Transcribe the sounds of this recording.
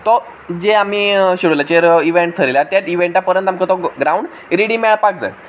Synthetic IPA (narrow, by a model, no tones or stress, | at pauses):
t̪ɔ | d͡zeam̤iːɕiɽulat͡ɕeɾiʋeɳʈt̪ʰəɾilat̪jat̪iʋeɳʈapəɾənt̪amkət̪ɔɡɾauɳɖ | ɾiɽimɛɭpak̚d͡za̰t